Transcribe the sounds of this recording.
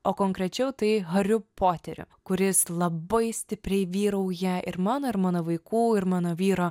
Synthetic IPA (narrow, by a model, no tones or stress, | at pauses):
oːkoːŋkɾʲɛt͡ʃʲɛʊt̪ɐɪɣɐɾʲʊpʰoːt̪ʲɛɾʲʊ̰kʊɾʲɪslˠɐbɐɪsʲt̪ʲɪpʲɾʲɛɪʋʲiːɾɐʊjæːʔɪɾmɑːnoːɪɾmɑːnoːʋɐɪkuːɪɾmɑːnoːʋʲiːɾoː